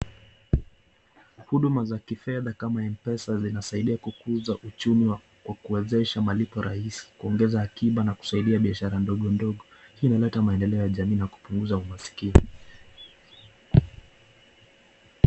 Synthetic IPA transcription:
huɗumazakifɛðakamaɛmpɛsazinasaiɗiakukuzaʔut͡ʃumiwa | kwakuɛzɛʃamalipɔɾʔahisi̥kuɔŋɡɛzahːkiɓanaku̥saiɗiaɓiaʃaɾandɔɠɔndɔɠɔ | hinalɛtamaɛndɛlɛɔjaʄamiːnaku̥puŋɡuzaumasi̥kini

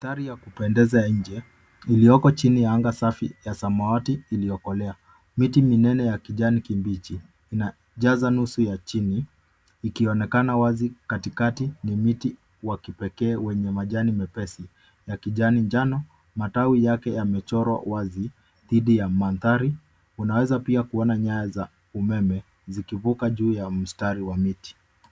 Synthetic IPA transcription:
aθaɾijakupɛndɛzaɲ̩d͡ʒɛ | ilijɔkɔt͡ʃinijaaŋɡasafijasamawatiːlijɔkɔlɛa | mitiminɛnɛjakiʄanikimbit͡ʃiː | na | ʄazanusujat͡ʃiniː | kiɔnɛkanawazikatikatinimiti | wakipɛkɛːwɛɲɛmaʄanimɛpɛsi | jakiʄaniɲd͡ʒanɔ | matawijakɛjamɛt͡ʃɔɾwa̰wazi | ðiɗijamanðaɾi | unawɛzapiakuɔnaɲajaza | umɛmɛ | zikivukaʄuːjam̩staɾiwamiti̥

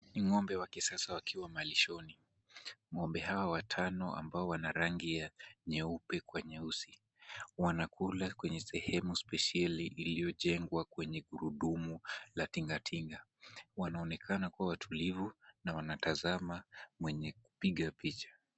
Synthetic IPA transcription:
niŋɔmbɛwakisasawakʰiwamaliʃɔni | ŋɔmbɛhawawatʰanɔʔa̰mbaɔwanaɾaŋɡijaɲɛupɛkwɛɲɛusi | wanakulakwɛɲɛsɛhɛmuspɛʃaliʔːlijɔʄɛŋɡwakwɛɲɛɠuɾuɗumulatiŋɡatʰiŋɡawanaɔnɛkʰanakuawatʰulivunawanatazamamwɛɲɛku̥piɠapit͡ʃḁ

